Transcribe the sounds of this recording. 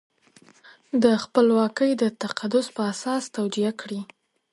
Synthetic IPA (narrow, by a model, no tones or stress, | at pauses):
d̪əxpəlwɑkəjd̪ət̪aqad̪ʊspəasɑst̪awd͡ʒiakɽi